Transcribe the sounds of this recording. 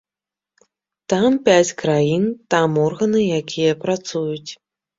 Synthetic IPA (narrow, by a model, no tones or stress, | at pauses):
t̪ampʲat͡sʲkɾajint̪amɔrɣɐnɨjakʲʰijɐpɾat̪sujut͡sʲ